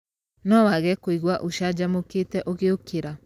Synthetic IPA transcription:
nɔwaɣɛkoiɣwaʔoʃad͡ʒamoketɛʔoɣeokʰeɾa

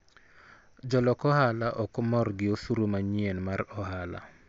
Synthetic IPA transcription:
d͡ʒɔlɔkɔhalaʔɔkɔmɔrɡɪosuɾomaɲienmaɾɔhala̰

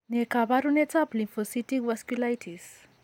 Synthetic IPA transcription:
nekabaɾunet͡saplimpʰosiʈikwɐskulajtʰis

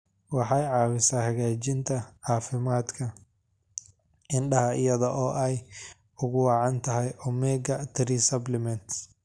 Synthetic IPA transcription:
wɑħɑjʕɑːwɪsaːhɐɣaːt͡ʃɪnt̪ʰɐʕɑːfɪmaːd̪kʰɐ | ʔɪnɖɐɦɐɪjɐðɐʔɔːʔɛj | ʊɣʊwɑːʕɑnt̪ʰɐɦɛjɔmɛːɡɐt̪ʰɾiːsɐblɪmɛnt̪

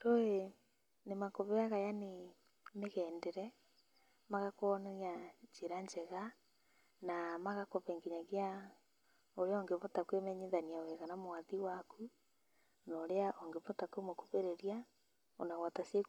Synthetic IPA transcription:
ɾoe | nemakoβɛaɣajane | meɣɛːndeɾɛ | maɣakonɛɾjaɲd͡ʒeɾaɲd͡ʒɛɣa | namaɣakoβɛŋɡeɲaɣea | oɾeaoŋɡeβotakwemɛɲeðaniaweɣanamoaðiwakʰu | noɾeaʔoŋɡeβɔtakwemokuβeɾeɾia | o̰naɣwatasie

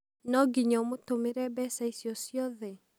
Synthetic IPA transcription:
nɔɡiɲɔmotomeɾɛbɛsaisjɔsijɔðɛ

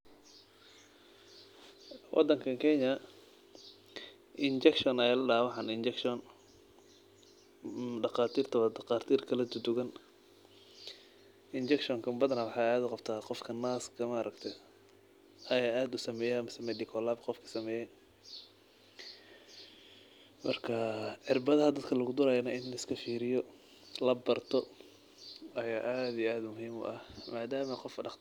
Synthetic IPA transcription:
wʔɑ̰d̪ɐŋkʰɐkʰɛɲɐ | ʔɪnt͡ʃɛkʃɔnɛjɛlɐɖawɑħɑnɪnt͡ʃɛkʃɔn | ɖɑqɑːt̪ʰiːrt̪ʰɐβɐd̪ɑqɑːrt̪ʰiːrkʰɐlɐd̪ʊd̪ʊɣɐn | ɪnt͡ʃɛkʃɔŋkʰɐmbɐd̪ɐnɐwɑħɑaːd̪ʊqɑbt̪ʰaːqɔfkʰɐnaːskʰɐmɐːɾɐkt̪ʰɛ | ɐjaːʔaːd̪ʊsɐmɛːjɛɐmɐsɐmɛdɪkʰɔlaːbqɔfkʰɐ̥sɐmɛːjɛ | mɐrkʰɐħɪrbɐðɐɦɐd̪ɐd̪kʰɐlɐɣʊd̪ʊɾaːjɐnɐɪnlɐɪskʰɐfiːɾɪjɔ | lɐbɐrt̪ʰɔ | ɐjaːʔaːd̪ijʔaːd̪mʊɦiːmʊ̰ʔɐhmaːd̪aːmɐqɔfɖɑq̪

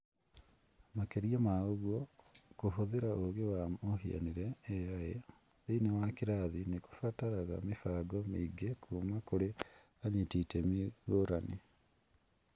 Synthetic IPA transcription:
makeɾiɔmaoɣɔkoɦoðeɾaʔoɣewamoɦia̰niɾɛːae | einewakeɾaðineko̥fataɾaɣa̰mefaɡɔmiɡekʰumakoɾe | aɲetitɛmiɣoɾane

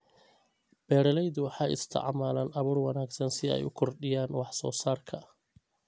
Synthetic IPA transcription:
b̥ɛːɾɐlɛjðʊwɑħɑːʔɪ̰st̪ʰɐ̰ʕmaːlɐːnɐβuːrwɑnaːɡsɐnsɪɛ̰jʊkʰɔrɖɪjaːnwɑħsɔ̰ːsaːrkʰɐ

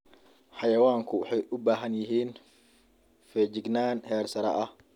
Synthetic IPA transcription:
ħɑjɐwaːŋkʰʊwʊħɛjʔʊbaːɦɐnjɪɦiːn | fɛːd͡ʒɪɡnaːnhɛːrsɐɾɐ̰ʔɐh

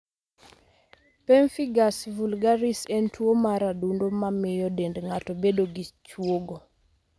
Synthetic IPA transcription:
pɛɱfiɡasvulɡaɾisɛntwomaɾadundomamɪjɔdendŋatobedoɡit͡ʃwoɡo

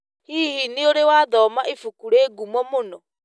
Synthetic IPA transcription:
hiːhinioɾewaðɔmaʔifukuɾeːɡumɔmonɔ

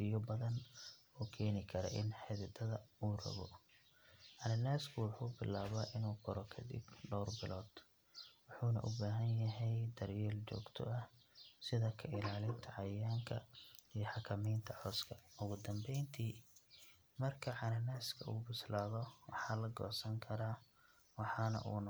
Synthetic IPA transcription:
ɪjɔbɐðɐnɔːkʰɛːnɪkʰɐɾɔ̰ʔɪnħɪðɪd̪ɐðɐuːrɐ̰ɣɔ | ʕɑnɐnaːskʰʊwʊħuːbɪlːaːβɐʔɪnuːqʰɔɾɔkʰɐd̪ɪ̰bɖɔwrbɪlɔːd̪̥ | wʊħuːnɐ̰ʔʊbaːɦɐnjɐɦɛjd̪ɐrjɛːlt͡ʃɔ̰ːɡt̪ʰɔ̰ʔɐsɪðɐkʰɐʔɪlaːlɪnt̪ʰɐʕɑjaːŋkʰɐijɔħɑkʰɐmɛjnt̪ʰɐħɔskʰɐʊɣʊd̪ɐmbɛjnt̪ʰiː | mɐrkʰɐʕɑnɐnaːskʰɐṵːbʊslaːðɔwɑħɑːlɐɡɔ̰ːsɐŋkʰɐɾaː | wɑħɑːnɐ̰ʔṵːn

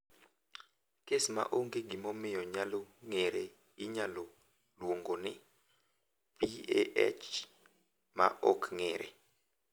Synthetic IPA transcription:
kesma̰ʔoŋkeɡimɔmɪjɔɲalɔŋɛɾɛ | iɲalɔ | lwoŋɡɔnɪ | vieɛ̰t͡ʃ | ma̰ʔɔkʰŋɛːɾɛ̰

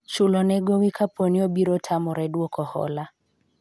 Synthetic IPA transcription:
ʃulɔnɛɡɔwikʰapɔniɔbiɾɔtʰamɔɾɛdwɔkɔhɔ̰la

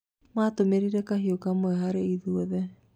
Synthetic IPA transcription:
matomeɾiɾekaɦiokamoeɦaɾeiðuoðe

